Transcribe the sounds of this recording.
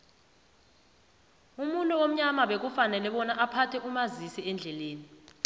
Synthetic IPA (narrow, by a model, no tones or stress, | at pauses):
umuntʼuwom̩ɲamaɓek̬ufanɛlɛɓɔnaʔapʰatʰɛʔumazisiɛnd͡ɮʱɛleːni